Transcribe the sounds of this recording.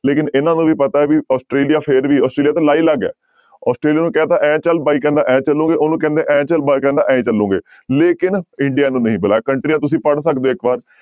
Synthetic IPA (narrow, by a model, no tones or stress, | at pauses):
leːkɪnɪnãːnũːʋiːpət̪aːɛːʋiːɔːsʈɾeːlijaːpʰɪɾʋiːɔːsʈɾeːliat̪ãːlaːiːləɡɛ̰ː | ɔːsʈɾeːlijaːnũːkɛ̃ːt̪ãːʔɛ̃ːt͡ʃəlbaːikɛ̃ːnd̪aːʔɛ̃ːt͡ʃəlːũːɡeːʔoːnũːkɛ̃ːnd̪eːʔɛ̃ːt͡ʃəlbaːikɛ̃ːnd̪a̰ːʔɛ̃ːt͡ʃəlːũːɡeː | leːkɪnɪɳɖijaːnũːnəɦĩːbəlaːɛːkəɳʈɾiːnãːt̪ʊsĩːpəɽsəkd̪oːɪkbaːɾ